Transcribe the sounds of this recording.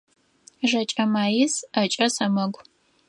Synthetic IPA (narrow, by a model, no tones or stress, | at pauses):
ʒɐt͡ʃʼɐmaːjɪsɐt͡ʃʼɐsɐmɐɡʷ